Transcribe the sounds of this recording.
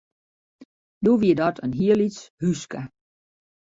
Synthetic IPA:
doːʋiədɔtʰənɦiəlishyskə

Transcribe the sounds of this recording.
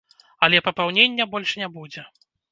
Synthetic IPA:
ɐlʲɛpɐpawnʲenʲːɛbɔlʲʂnʲabud͡zʲɛ

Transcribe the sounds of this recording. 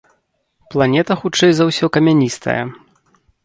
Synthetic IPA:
plˠanʲɛt̪ɐxut͡ʂɛjzawsʲɔkɐmʲanʲist̪ʰɐ̰jɐ̰

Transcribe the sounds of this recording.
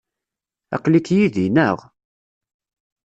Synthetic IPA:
ɑ̰qlikjiðinəʁ

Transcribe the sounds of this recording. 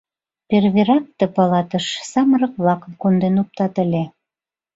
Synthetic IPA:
perβeɾɑk̚t̪epɑlɑt̪əʃsɑməɾɤ̆k̚βlɑkə̆mkond̪enop̚t̪ɑt̪ə̆lʲe

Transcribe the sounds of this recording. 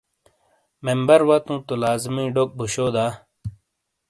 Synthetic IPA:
membɐɾwɐt̪ũːt̪ulaːzmĩːɖok̚bʱuɕoːd̪aː

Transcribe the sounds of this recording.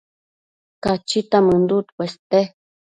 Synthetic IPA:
kat͡ʃit̪amɨnd̪ut̪kʷwest̪e

